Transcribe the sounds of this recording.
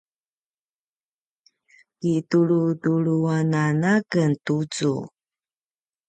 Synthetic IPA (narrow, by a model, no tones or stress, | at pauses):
kituɭutuɭuananakəntut͡sṵ